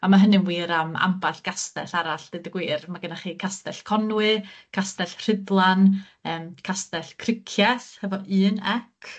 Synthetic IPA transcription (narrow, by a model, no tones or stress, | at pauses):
amaɦənɨmwiːɾama̰mbaɬɡ̥astɛ̰ɬaɾaɬd̥ɨdəɡwiːrmaɡənaχiːkʰastɛɬkʰɔnwɨkʰastɛɬr̥ɪdlˠan | əːmkʰastɛɬkʰrɪkʰjɛθhɛvɔɨːnɛkʰ